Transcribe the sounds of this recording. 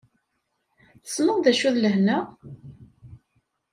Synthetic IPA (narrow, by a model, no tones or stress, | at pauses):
θəsməððæʃuðləhnæ